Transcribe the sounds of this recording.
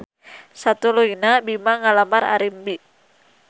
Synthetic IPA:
sat̪uluinabimaŋalamaɾa̰ɾimbi

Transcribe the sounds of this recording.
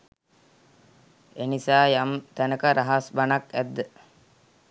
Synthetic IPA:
enisaːjamt̪ænəkəɾaɦasbanakæd̪ːə

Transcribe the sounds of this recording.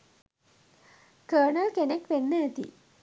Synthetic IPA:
kəːɳəlkenekʋenːəet̪ḭ

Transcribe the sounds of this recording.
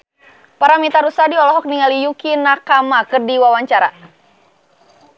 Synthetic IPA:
paɾamit̪aɾusadiɔlɔɦɔk̚niŋalijukinakamakɨrdiwawaɲt͡ʃaɾa

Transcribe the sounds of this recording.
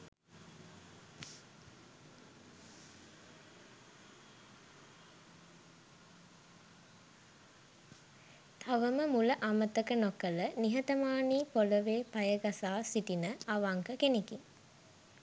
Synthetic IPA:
t̪ʰaʋəməmuləʔamət̪əkənokələniɦət̪əmaːniːpoləʋeːpajəɡasaːsiʈinəaʋaŋkəkenekiŋ

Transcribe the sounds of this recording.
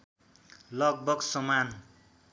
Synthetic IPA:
lʌɡ̚bʌɡsʌman

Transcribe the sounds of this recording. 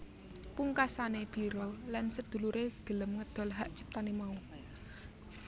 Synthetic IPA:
puŋkasaneb̥i̤ɾolansəd̪̥ṳluɾeɡ̥ə̤ləmŋəd̪̥ɔ̤lɦaʔt͡ʃi̥p̚t̪anemau

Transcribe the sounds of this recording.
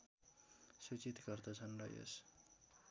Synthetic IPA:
sut͡sit̪ɡʌrd̪ʌt͡sʰʌnrʌjo̰s

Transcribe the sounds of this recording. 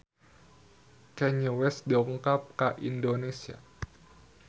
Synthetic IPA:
kɛɲəwɛsdɔŋkap̚kaʔindonesia̰

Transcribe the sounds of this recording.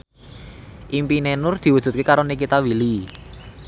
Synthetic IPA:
ʔimpinɛnʊrd̪̥i̤wud̥ʒ̥ṳt̪̚kekaɾonikit̪awili

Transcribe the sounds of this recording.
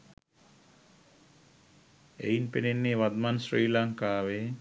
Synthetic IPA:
ḛinpenenːeːʋad̪mansriːlaŋkaːʋe

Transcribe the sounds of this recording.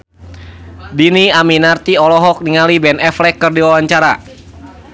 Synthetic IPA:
diniaminart̪iɔlɔɦɔk̚niŋalibɛnɛflɛkːɨrdiwawaɲt͡ʃaɾa̰

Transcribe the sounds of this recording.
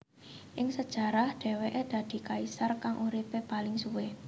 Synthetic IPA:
ʔɪŋsəd̥ʒ̥a̤ɾahɖ̪̥e̤weʔed̪̥a̤d̪̥i̤kaisarkaŋʔuɾipepalɪŋsuwe

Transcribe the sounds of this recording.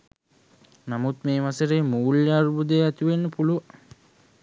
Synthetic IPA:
namut̪meːmasəɾeːmuːljaːɾubud̪ejæt̪uʋenːəpuluʋaŋ

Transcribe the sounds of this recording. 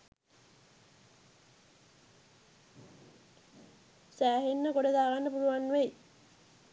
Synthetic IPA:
sæːɦenːəkoɽed̪aːɡanːəpuluʋanːʋej

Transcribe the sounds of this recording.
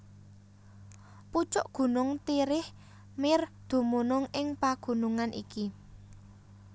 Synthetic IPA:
put͡ʃʊʔɡ̥ṳnʊŋt̪iɾɪh | mɪrd̪̥ṳmunʊŋɪŋpaɡ̥ṳnuŋanʔḭki

